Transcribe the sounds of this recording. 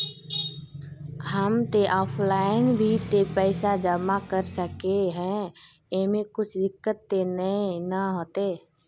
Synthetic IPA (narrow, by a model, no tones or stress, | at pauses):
ɦəmt̪eʔɔːpʰlaːɪnbʱit̪epɛːsad͡ʒəmakəɾsəkeɦɛ̃ | emẽkʊt͡ʃʰd̪ɪkːət̪ːenəenəɦoːt̪eː